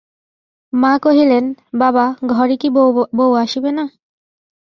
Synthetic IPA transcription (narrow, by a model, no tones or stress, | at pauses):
mãkoɦilenbabaɡʱɔɾikibowaʃibena